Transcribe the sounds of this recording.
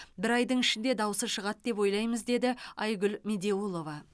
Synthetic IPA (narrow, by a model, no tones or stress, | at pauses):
bɪɾɑjd̪əɴɪʃɪnd̪e̞d̪ɑwəsəʃəʁɑt̪̚d̪e̞p̬wo̞jlˠɑjməzd̪e̞d̪ɪɑjɡʲʊlmʲe̞d̪e̞ulˠo̞vɑ